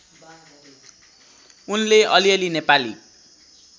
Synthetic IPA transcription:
unleʌliʌlinepali

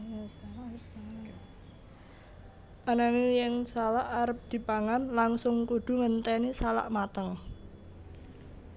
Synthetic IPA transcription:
an | ʔanaŋejɛŋsalaʔaɾəp̚d̪̥i̤paŋanlaŋsʊŋkud̪̥ṳŋənt̪ɛnisala̰ʔmat̪əŋ

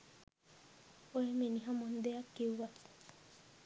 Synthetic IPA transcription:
oemeniɦamond̪eakːewwa

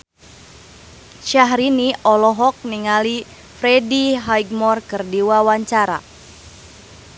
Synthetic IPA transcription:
ʃaɦɾiniʔɔlɔɦɔk̚niŋali | fɾɛdiɦajɡmɔrkɨrdiwawaɲt͡ʃaɾa̰

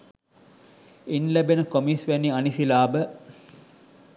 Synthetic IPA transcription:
inlæbenəkomiːsʋæniɐnisilaːbə

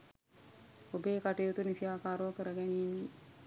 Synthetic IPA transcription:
obeːkaʈejut̪unisijaːkaːɾokəɾəɡɛniːni

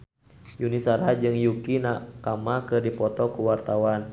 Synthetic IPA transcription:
junisaɾɦad͡ʒɨŋjukinakamakɨrdipɔt̪ɔkuwart̪awan

